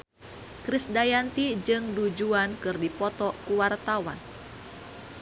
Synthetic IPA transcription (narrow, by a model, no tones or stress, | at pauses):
kɾisdajant̪id͡ʒɨŋdud͡ʒuankɨrdipɔt̪ɔkuwart̪awan